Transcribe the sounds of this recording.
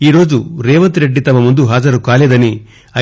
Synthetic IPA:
iːɾo̞ːd͡ʒuɾeːʋɐnt̪ɾeɖːit̪ɐmːɐmund̪uɦaːd͡ʒɐɾukaːled̪ɐni | ɐ

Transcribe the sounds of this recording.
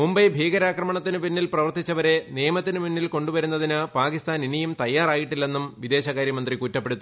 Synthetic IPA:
mumbɐjbʱiːɡɐɾaːkrɐmɐɳɐt̪ːinɨpinːilprɐʋɐrt̪it͡ɕːɐʋɐɾe̞nijɐmɐt̪ːinɨmunːilko̞ɳɖuʋɐɾunːɐðinɨpaːkist̪aːninijumt̪ɐjːaːraːjiʈːilːe̞nːumʋid̪e̞ːɕɐkaːɾjɐmɐnd̪rikuːtːɐpːe̞ɽut̪ːu

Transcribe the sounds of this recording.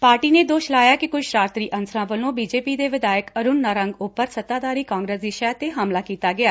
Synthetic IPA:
paːɾʈiːneːd̪oːʃlaːjaːkɪkʊʃɾaːɾt̪ɾiːʔənsɾãːʋəlõːbiːd͡ʒeːpiːd̪eːʋɪd̪aːjəkəɾʊnːəɾəŋɡʊpːəɾsət̪aːd̪aːɾiːkãːŋɡɾeːsd̪iːʃɛːt̪eːɦaːmlaːkiːt̪aːɡɪaː

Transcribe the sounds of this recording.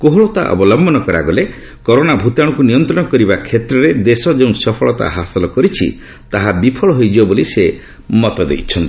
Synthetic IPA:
koɦoɭɔt̪a̰ʔɔ̰bɔlɔmbʱɔnɔkɔɾa̰ɡɔle | kɔɾonabʱut̪aɽɔkunijɔnt̪ɾɔɽ̃ɔkɔɾibakʰet̪ɾɔɾed̪esɔd͡ʒeũsɔpʰɔɭɔt̪a̰ɦasɔlɔkɔɾit͡ʃʰḭ | t̪aɦabipʰɔɭɔɦojd͡ʒibɔbolise | mɔt̪ɔd̪ḛjt͡ʃʰɔnt̪i̥

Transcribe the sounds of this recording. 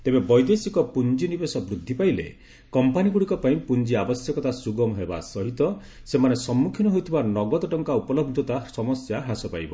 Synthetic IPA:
t̪ebebɔjd̪esikɔpund͡ʒinibesɔbɾud̪ʱːipailḛ | kɔmpaniɡuɽikɔpaĩpund͡ʒiabɔsjɔkɔt̪asuɡɔmɦeba̰sɔɦit̪ɔ | semanesɔmːukʰinɔɦojt̪ʰibanɔɡɔd̪ɔʈɔŋkaupɔlɔbʱd̪ʱɔt̪asɔmɔsjaɦasɔpajbɔ

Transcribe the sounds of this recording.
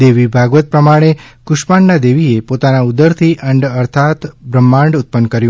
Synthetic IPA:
d̪eʋibʱaɡʋət̪̚pɾəmaɽ̃ekʊʃpaɳnad̪eʋiepot̪anaud̪əɾt̪ʰiʔəɳɖəɾt̪ʰat̪bɾəmːãɳɖʊt̪̚pənkəɾjũ

